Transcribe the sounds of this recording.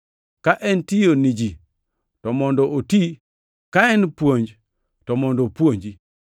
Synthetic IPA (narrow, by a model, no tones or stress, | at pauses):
kaʔɛntijonid͡ʒi | tɔmɔndɔʔoti | kaɛnpwoɲd͡ʒ | tɔmɔndɔpwoɲd͡ʒi